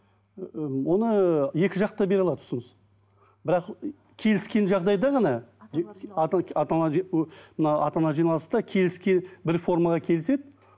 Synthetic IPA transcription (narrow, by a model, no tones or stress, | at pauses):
wo̞nəje̞kʲɪʒɑq̚t̪ɑbe̞ɾɑlˠɑd̪ʊ̥səməz | bɪɾɑq | kʲʰe̞lɪskʲe̞nʒɑʁd̪ɑjd̪ɑʁɑnɑ | t̪ɑt̪ɑnɑʒmənɑɑt̪ɑnɑʒijnɑlˠəst̪ɑkʲʰe̞lɪskʲe̞nbɪɾfo̞rmɑʁɑkʲʰe̞lɪse̞d̪ɪ